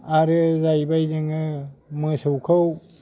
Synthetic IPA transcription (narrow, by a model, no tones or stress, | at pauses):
aɾɯzajbajdɯŋɯmɯsɯwkʰɯw